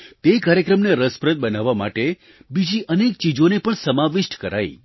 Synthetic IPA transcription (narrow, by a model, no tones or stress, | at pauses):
t̪ekaɾjəkɾəmneɾəspɾət̪̚bənaʋːamaʈe | bid͡ʒiʔənek̚t͡ʃid͡ʒonepəɳsəmaʋɪʃʈkəɾa̰j